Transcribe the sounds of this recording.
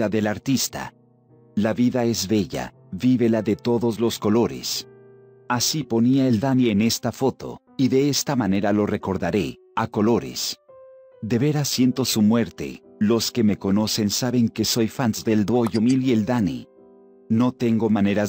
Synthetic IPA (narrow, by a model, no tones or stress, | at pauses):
aðelaɾt̪ist̪a̰ | laβiðae̞zβe̞ʝa̰ | βiβe̞laðe̞t̪o̞ðo̞zlo̞sko̞lo̞ɾe̞̰s | asipo̞niaeld̪aniene̞st̪afo̞t̪o̞̰ | iðe̞est̪amane̞ɾalo̞re̞ko̞ɾðaɾe̞ | ako̞lo̞ɾe̞̰s | d̪e̞βe̞ɾasje̞nt̪o̞sumwe̞ɾt̪e̞̰ | lo̞ske̞me̞ko̞no̞se̞nsaβe̞ŋke̞so̞jfanzd̪e̞ld̪wo̞ʝomilield̪anḭ | no̞t̪e̞ŋɡo̞mane̞ɾaz